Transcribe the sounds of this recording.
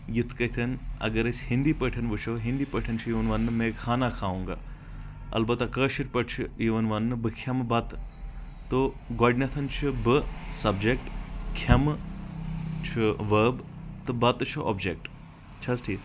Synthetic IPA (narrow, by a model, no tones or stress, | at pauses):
jut̪ʰkɐt̪ʰɐnɐ̰ɡɐɾɐsʲhind̪iːpəʈʰɐnʋɨt͡ʃʰoɦĩnd̪iːpəʈʰɐnt͡ʃʰujiʋɐnʋɐnːɨmẽːkʰaːnakʰaːʋuːŋɡa̰ː | ɐ̰lbɐt̪ɐkəːʃiʈ̚ʲpɐʈt͡ʃʰɨjiʋɐnʋɐnːɨbɨkʰjɐmbɐt̪ | t̪o | ɡoːɖnɐt̪ʰɐnt͡ʃʰɨbɨsɐbd͡ʒek̚ʈkʰɐm | t͡ʃʰuʋəːbt̪ɨbɐt̪t͡ʃʰuʔo̰ːbd͡ʒek̚ʈ | t͡ʃʰɐsʈʰiː